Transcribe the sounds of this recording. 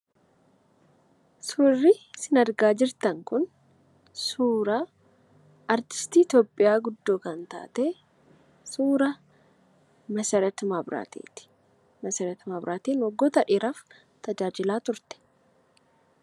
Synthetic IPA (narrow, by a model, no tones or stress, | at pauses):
sʊrːɪsɪnɐɾɡaːd͡ʒɪɾt̪ɐŋkʊn | suːɾɐ | ʔɐɾt̪ɪ̥st̪iːɪt̪joːpʼːɪjaːɡʊd̪ːoːkɐnt̪a̰ːt̪e | suːɾɐ | mɐsɛɾɛt̪mɐbɾa̰t̪ḛːt̪ɪ̥ | mɐsɛɾɛt̪mɐbɾaːt̪iːnwɔɡːoːt̪ɐᶑɪːɾɐf | t̪ɐd͡ʒaːd͡ʒɪlaːt̪ʊɾt̪ɛ̥